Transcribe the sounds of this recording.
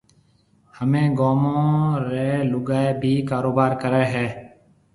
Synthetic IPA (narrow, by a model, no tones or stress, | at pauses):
həmẽːɡoːmõːɾeːlʊɡaːeːbʱiːkaːɾoːbaːɾkəɾeːɦɛː